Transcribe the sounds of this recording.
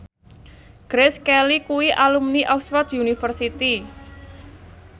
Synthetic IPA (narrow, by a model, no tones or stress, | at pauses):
ɡ̥ɾɛskɛlikuwiʔalumniʔɔkswɔt̪junifərsit̪i